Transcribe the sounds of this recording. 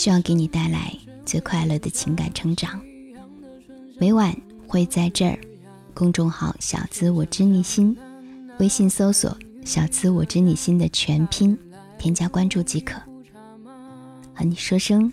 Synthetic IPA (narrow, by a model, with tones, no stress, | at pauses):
ɕy˥jɑ˥˩ʊke˧˥ɪni˨˩t̪a˥˩ɪla̰˧˥ɪ | t͡swe˥˧ɪkʰwa˥˧ɪlɤ˥˩d̪ə˩t͡ɕʰi˧˥ŋka̰˨˩nʈ͡ʂʰɤ˧˥ŋʈ͡ʂɑ˨˩˦ŋ | we˧˥ɪwa˨˩˦n | xwe˥˧ɪt͡sa˥˧ɪʈ͡ʂə̰˞˥˧˩ | kʊ˥˧ŋʈ͡ʂʊ˥˧ŋxɑ̰˧˩˦ʊɕjɑ̰˨˩ʊt͡sʰɹ̩˥wɔ˨˩ʈ͡ʂɻ̩˥ni˨˩ɕi˥n | we˥ɪɕi˥˩nso˥ʊswɔ̰˨˩˦ɕjɑ˨˩ʊt͡sʰɹ̩˥wɔ˨˩ʈ͡ʂɻ̩˥ni˨˩ɕi˥nd̪ə˨t͡ɕʰɥɛ˧˥npʰi˥n | t̪ʰjɛ˥nt͡ɕja˥kwa˥nʈ͡ʂu˥˩t͡ɕi˧˥kʰɤ˨˩˦ | a˧˩ni˨˩ʂwɤ˥ʂɤ˥ŋ